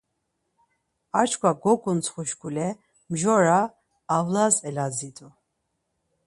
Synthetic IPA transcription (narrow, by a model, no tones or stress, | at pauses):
at͡ʃʰkʰʷwaɡɔkʼunt͡sχuʃkʼulɛ | mʒɔɾaː | vlazɛlad͡zit̪ʰʼu